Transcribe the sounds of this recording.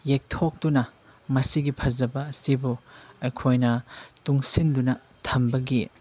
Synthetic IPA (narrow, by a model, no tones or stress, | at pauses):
jek̚tʰok̚dunɐ | mɐsiɡipʰɐzɐbɐːsibuɐjkʰojnɐtuŋsindunɐ | tʰɐmbɐɡi